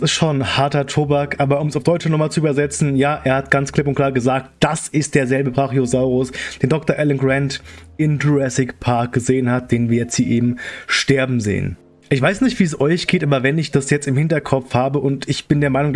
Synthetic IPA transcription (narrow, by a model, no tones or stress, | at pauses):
sɪstʃoːnhaɐtɐtʰoːbakʔaːbɐʊmsaʊfd̥ɔʏt͡ʃənɔχmaːlt͡suyːbɐzɛt͡sn̩jaːʔeːɐhatɡ̥ant͡skʰlɪp̬ʊntklaːɐɡəzaːk̚t̚d̥asɪst̚d̥eːɐzɛlbəpʁaːχjiozaʊʁʊsd̥eːndɔktɐʔɛlɛnɡʁɛntɪmduʁɛsɪkpʰaɐk̚ɡ̥əzeːənhat̚d̥eːnviːɐjɛt͡stz̥iːʔeːbm̩ʃtɛɐbm̩zḛːə̰n | ʔɪçv̥aɪsnɪçtv̥iːs̬ɔʏçɡ̥eːtʔaːbɐvɛnɪçd̥asjɛt͡stɪmhɪntɐkʰɔpp͡fhaːbəʔʊntɪçb̥ɪndeːɐmaɪnʊŋ